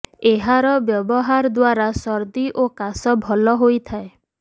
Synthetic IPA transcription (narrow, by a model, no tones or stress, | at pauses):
eɦaɾɔbjɔbɔɦaɾd̪waɾasɔɾd̪iʔokasɔbʱɔlɔɦojt̪ʰae